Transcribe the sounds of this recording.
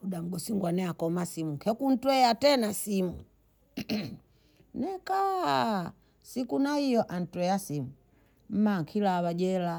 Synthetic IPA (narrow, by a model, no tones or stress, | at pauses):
uɗam̩ɡɔsiŋɡwanɛakɔmasimukʰɛkun̩twɛatɛnasimu | nɛka | sikunaijɔʔan̩twɛasimu | m̩maŋkʰilawad͡ʒɛla